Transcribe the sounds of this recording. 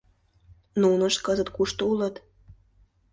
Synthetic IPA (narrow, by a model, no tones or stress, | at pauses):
nunəʃkɤzət̪kuʃt̪oulə̆t̪